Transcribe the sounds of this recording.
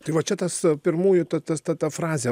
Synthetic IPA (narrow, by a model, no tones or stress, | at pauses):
t̪ɐɪʋɐt͡ʃʲɛt̪ɐspʲɪɾmuːjʊt̪ɐt̪ɐst̪ɐt̪ɐfɾɑːzʲe